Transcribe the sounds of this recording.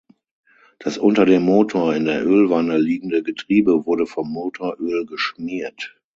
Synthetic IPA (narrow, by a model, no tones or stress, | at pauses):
d̥asʔʊntɐdeːmːoːtʰoːɐɪndeːɐʔøːlvanəliːɡŋ̩dəɡətʁ̥iːbəvʊɐɾəfɔmːoːtʰoːɐʔøːlɡəʃmiːɐt